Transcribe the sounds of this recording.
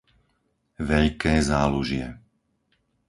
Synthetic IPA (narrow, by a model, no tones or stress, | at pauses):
ʋɛʎkɛːzaːluʒɪɛ̰